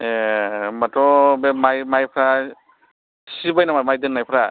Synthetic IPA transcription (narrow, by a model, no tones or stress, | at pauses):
ematɔbemajmajpʰɾa | sibajnamamajdɯnːajpʰɾa